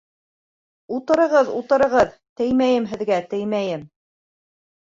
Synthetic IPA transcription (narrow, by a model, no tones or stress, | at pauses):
ut̪ɤ̆ɾɤ̆ʁɤðut̪ɤ̆ɾɤ̆ʁɤðt̪ɘjmæjɘmɦɘ̆ðɡæt̪ɘjmæjɘm